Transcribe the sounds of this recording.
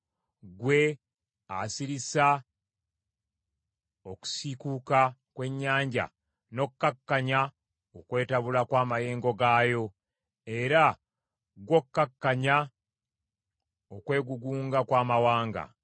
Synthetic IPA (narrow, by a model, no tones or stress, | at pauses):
ɡwe̞ | asiɾisa | o̞ku̥sikuːkakwe̞ɲːaːɲɟa̰ | no̞kːakːaɲa | okwe̞ːtaβulakwaːmaje̞ːŋɡo̞ɡaːjo̞ | e̞ɾa | ɡwo̞kːakːaɲa | okwe̞ːɡuɡuːŋɡakwaːmawaːŋɡa̰